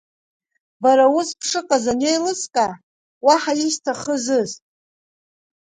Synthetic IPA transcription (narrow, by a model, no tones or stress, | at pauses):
baɾauspʰʂɨqʼazanejlɨskʼa | waħajistʰaχəzɨztʼ